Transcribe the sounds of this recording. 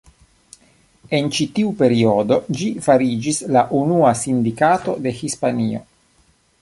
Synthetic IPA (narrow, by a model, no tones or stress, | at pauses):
e̞nt͡ʃit̪iupe̞ɾio̞do̞d͡ʒifaɾid͡ʒislaʔunuasind̪ikato̞de̞hispanio̞̰